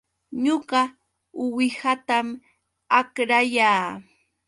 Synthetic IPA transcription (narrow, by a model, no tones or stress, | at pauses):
ɲoɢɑ | ʊwɪhat̪am | akɾajaː